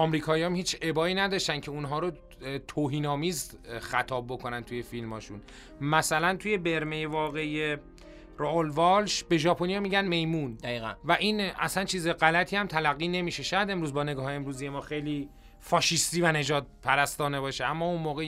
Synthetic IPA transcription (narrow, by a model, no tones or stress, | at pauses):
ɒːmɾiːkʰɒːijɒmhiːt͡ʃʰe̞bɒːiːnæd̪ɒʃt̪æncʰe̞unɦɒːɾo | t̪ʰoːɦiːnɒːmiːz | xæt̪ʰɒːb̚bo̞kʰonænt̪ʰuje̞filmɒːʃun | mæsælænt̪ʰuje̞be̞ɾme̞jevɒːɣe̞je | ɾoʔolvɒlʃbe̞ʒɒːpʰonijɒmiːɟænme̞jmund̪væʔiːnæ̰sænt͡ʃʰiːzeɣælæt̪ʰiːhæmt̪ʰælæɣːiːne̞miʃe̞ʃæjæd̪e̞mɾuːzbɒːne̞ɡɒːheemɾuːzijemɒːxejliː | fɒːʃist̪iːvæne̞d͡ʒɒːd̪̚pʰæɾæst̪ɒːne̞bɒːʃeæmːɒːunmoːɣe